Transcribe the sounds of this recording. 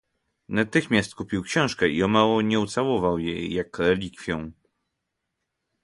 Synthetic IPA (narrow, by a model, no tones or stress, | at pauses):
nat̪ɘxmʲast̪̚kupʲiwkɕɛ̃w̃ʂkɛiɔmawɔɲɛut̪sawɔvawjḛjːakɾɛlʲikfʲjɔ̃